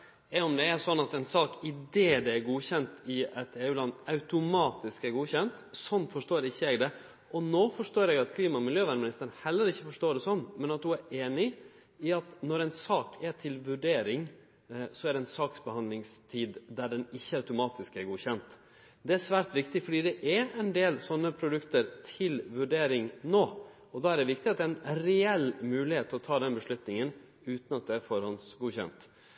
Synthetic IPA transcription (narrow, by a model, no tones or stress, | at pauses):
ɛɔmd̪ɛæsɔnːɑt̪ɛɪnsɑːkɪd̪eːd̪ɛæɾɡuːçɛnt̪ɪɛt̪eːʉːlɑnːɑʉt̪ʊmɑːt̪ɪskæɾɡuːçɛnt̪sɔnːfɔʂʈoːɾɪçːəɛɡd̪ɛ | ʔɔnoːfɔʂtoːɾɛɡɑt̪kʰliːmɑmɪljøːʋænəmɪnɪst̪əɾənhɛlːəɾɪçːəfɔʂʈoːɖ̪ɛsɔnːmɛnɑt̪̚d̪ʉæɾeːnɪ | ɪɑt̪nɔɾɛɪnsɑːkʰɛʈʰɪlʋʉɖeːɾɪŋ | sɔæd̪ɛɪnsɑːksbəhɑnd̪lɪŋst̪ʰiːd̪d̪æɖɛnɪçːəɑʉt̪ʊmɑːt̪ɪskæɾɡuːçɛnt̪ | d̪ɛæʂʋæːɾʈ̪ʋɪkt̪ɪfɔɖiːd̪ɛʔɛɛɪnd̪eːlsɔnːəpʰɾʊd̪ʉkt̪əɾt̪ʰɪlʋʉɖeːɾɪŋnoː | ɔd̪ɑːæɖɛʋɪkt̪ɪɑt̪d̪ɛɛɪnɾɛɛlmʉːlɪheːt̪ʰːɔt̪ʰɑːd̪ɛnbəʂlʉt̪nɪŋən | ʉːt̪nɑt̪̚d̪ɛæɾfɔɾhɔnsɡuːçɛ̰nt̪